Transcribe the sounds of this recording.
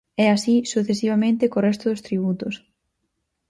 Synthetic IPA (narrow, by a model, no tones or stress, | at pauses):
ɛasisuθesiβamẽnt̪ekorɛst̪ʊðost̪ɾiβ̞ut̪ʊs